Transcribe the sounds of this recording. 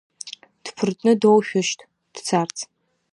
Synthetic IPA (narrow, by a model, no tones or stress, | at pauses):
d̥pʰɨrtʼnɨdowʃᶣʊʃtʰʼ | d̥t͡sʰart͡sʰ